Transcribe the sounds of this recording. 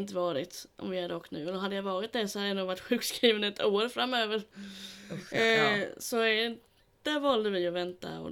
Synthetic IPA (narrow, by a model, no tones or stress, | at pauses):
nt̪əvɑːɾɪt̪ʔɔ̰mvɪæɖɔkːnʉ̟ːɛlːəɾɦad̪ːəjavɑːɾɪt̪̚d̪æsɔhad̪əjanuːɡvaʈːɧʉ̟ːkskɾiːvənɛt̪oːɾfɾamːøːvəɾ | sɔ | d̪̥æɾvɑld̪əɾvɪɔvɛnt̪a̰ɔ̰